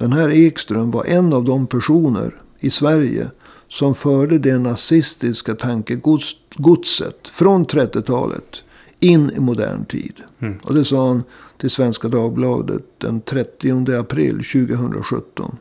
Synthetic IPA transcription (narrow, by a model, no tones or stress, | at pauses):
d̪̥ɛnɦæːɾɛːkst̪ɾɵmva̰ɾʔɛnːavd̪ɔmpʰæʂuːnə̰ɾ | ɪsvæɾjə̰ | sɔmfœːɖəd̪ɛnasɪst̪ɪskat̪ʰaŋkəɡɡʊd̪sə̰t̪fɾɔnt̪ʰɾɛt̪ːɪt̪ʰɑ̰ːlə̰t̪ | ɪnːɪmʊd̪æ̰ːɳt̪ʰḭːd̪ʔɔ̰d̪ɛsɑːhand̪̥ʰɛsvɛnskad̪ɑːɡ̚blɑ̰ːd̪ə̰t̪̚d̪ɛ̰nt̪ʰɾɛt̪ːɪʊnd̪əapʰɾɪ̰lːɕʉ̟ːɡəɦɵnd̪ɾa̰ɧɵ̰t̪ːɔ̰n